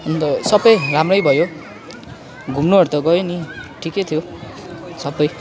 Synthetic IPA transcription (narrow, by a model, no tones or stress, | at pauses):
ʌnt̪ʌsʌbʌjramrʌjbʱʌjo | ɡʱumnuɦʌɾt̪ʌɡʌjoniʈʰikejt̪ʰjo | sʌbʌj